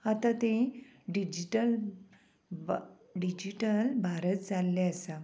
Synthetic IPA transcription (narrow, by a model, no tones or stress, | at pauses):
at̪at̪ẽɖid͡ʑiʈəl | ɖid͡ʑiʈəlbʱaɾət̪̚d͡zalːeəsa